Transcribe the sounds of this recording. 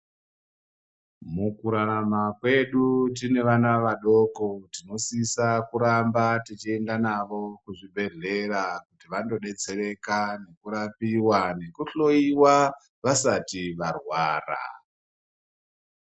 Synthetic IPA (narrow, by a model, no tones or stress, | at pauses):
mukuɾaɾamakwe̞ɗut̬ine̞ʋanaʋaɗo̞ko̞tino̞sisakuɾambatit͡ʃie̞ndanaʋo̞kuʐiɓʱe̞ɮe̞rakutiʋando̞ɗe̞t͡se̞re̞kane̞kuɾapiwane̞kuɬo̞iwa | ʋasatiʋarwaːra̰